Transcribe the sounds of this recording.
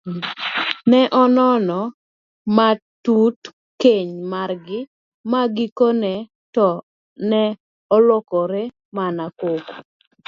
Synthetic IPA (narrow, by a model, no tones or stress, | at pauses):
nɛʔɔnɔnɔ | matut | keɲmarɡɪ | maɡikonɛ | tɔ | nɛ | ɔlɔkɔɾe | manakoko